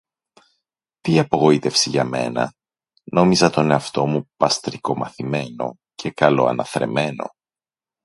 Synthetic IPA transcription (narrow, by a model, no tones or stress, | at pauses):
t̪iɐpo̞ɣo̞it̪e̞fsiʝɐme̞̰nɐ̰ | no̞mizɐt̪o̞ne̞ɐft̪o̞mupɐst̪ɾiko̞mɐθime̞no̞̰ | cʰe̞kɐlo̞̰ɐ̰nɐθɾe̞̰me̞no̞̰